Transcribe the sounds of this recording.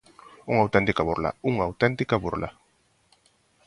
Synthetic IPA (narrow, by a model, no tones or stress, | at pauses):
uŋawt̪ɛnt̪ikaβuɾla̰uŋawt̪ɛnt̪ikaβuɾla̰